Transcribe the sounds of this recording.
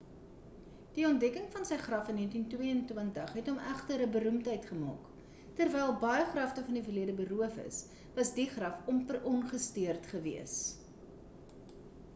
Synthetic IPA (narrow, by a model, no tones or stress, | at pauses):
d̥iɔnt̚dɛkəŋfɐnsəjχrɐfənːiəntintwiəəntwəntəχɦɛtɔmæχtəɾəbəɾumtəjtχəmɑ̰ːk | tərvɛjlˠbɐjəχrɐftəfɐndifərliədəbəɾuəfə̰s | vɐsdiχrɐfɔmpərɔnχəstiərtχəvḭəs